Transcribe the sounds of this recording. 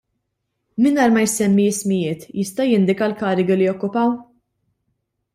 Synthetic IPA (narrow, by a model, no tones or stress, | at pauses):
mɪnɐːɾmɐjsɛmːismɪjɪːt̪jɪst̪ɐjɪnd̪ɪkɐlkɐːɾɪɡilijɔkːʊpɐw